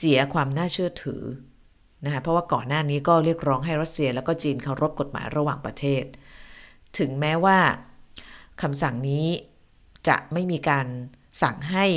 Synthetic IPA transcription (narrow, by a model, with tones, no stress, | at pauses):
si˩˦ɐkʰwaː˧mnaː˥˩t͡ɕʰɯ˥˩ɐt̪ʰɯ̰ː˩˦ | na˦˥kʰa˦˥pʰɾɔ˦˥waː˥˩kɔː˨˩nːaː˥˩niː˦˥kɔː˥˩ɾi˥˩ək̚ɾɔː˦˥ŋɦa˥˩jɾa˦˥t̪̚si˧əlɛː˦˥wkɔː˥˩t͡ɕiː˧nkʰa˧˩wɾo˦˥p̚ko˨˩t̪̚ma̰ː˩˦jɾa˧waː˨˩ŋpɾa˧t̪ʰeː˥˩t̪̚ | t̪ʰːɯ˩˦ŋmɛː˦˥waː˥˩ | kʰa˧msa˨˩ŋniː˦˥ | t͡ɕa̰˨˩ʔma˥˩jmiː˧kaː˧n | sa˨˩ŋɦa˥˩j